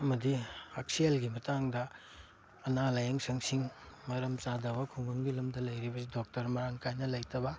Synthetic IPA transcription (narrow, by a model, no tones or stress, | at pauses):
ɐmɐdiak̚sielɡimɐtaŋdɐ | ɐnalajɐŋsɐŋsiŋmɐɾɐmt͡ʃadɐbɐkʰuŋɐŋɡilɐmdɐlɐjɾibɐsidok̚tɐɾmɐɾaŋkʰajnɐlɐjtɐbɐ